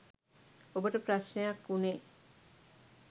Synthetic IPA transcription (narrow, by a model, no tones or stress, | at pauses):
obəʈəpɾaʃnejakːuneː